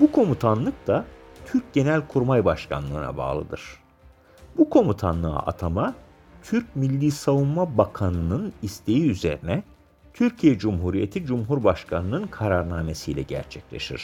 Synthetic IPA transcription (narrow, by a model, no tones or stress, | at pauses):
bukʰo̞mut̪ʰanlˠɯk̚d̪at̪ʰyɾc̚ɟe̞nælʲkʰuɾmajbaʃkʰa̰nlˠɯ̰ːna̰ba̰ːlˠɯ̰d̪ɯɾ̥ | bukʰo̞mut̪ʰanlˠɯ̰ʔa̰t̪ʰama | t̪ʰyɾc̚milʲːiːsavumːabakʰanɯnɯnist̪ʰe̞jiyze̞̰ɾinɛ | t̪ʰyɾcʰijɛd͡ʒumɦuɾijet̪ʰid͡ʒumɦuɾbaʃkʰanɯnɯnkʰaɾaɾnaːme̞sijlʲɛ̰ɟæ̰ɾt͡ʃʰɛclʲe̞̰ʃḭɾ̥